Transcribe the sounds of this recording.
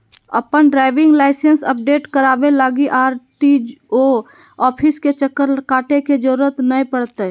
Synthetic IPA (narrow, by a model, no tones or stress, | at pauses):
ə̰pənɖɾaːɪʋɪ̃ŋɡlaɪsensə̰p̚ɖeːʈkəɾaːbelaːɡiʔaːɾʈid͡ʒo | ɔːpʰɪsket͡ʃəkːəɾkaːʈeked͡ʒəɾuːɾət̪nəĩpəɽt̪e